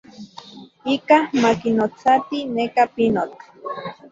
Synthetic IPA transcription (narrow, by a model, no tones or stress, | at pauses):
ikamakinot͡sat̪inekapinot̪